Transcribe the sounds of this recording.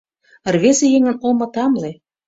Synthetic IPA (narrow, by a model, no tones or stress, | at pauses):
ərβesejeŋə̆nomɤ̆t̪ɑmle